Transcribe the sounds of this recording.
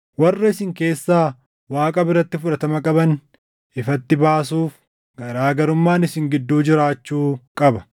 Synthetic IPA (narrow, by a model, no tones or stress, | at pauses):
wɐrːɐɪsɪŋke̞ːsːaː | waːkʼɐbɪrɾɐt̪ːɪfʊᶑɐt̪ɐmɐkʼɐbɐn | ɪfɐt̪ːɪbaːsuːf | ɡ̥ɐɾaːɡɐɾʊmːaːnɪsɪŋɡɪd̪ːuːd͡ʒɪɾaːt͡ʃːuːkʼɐbɐ̥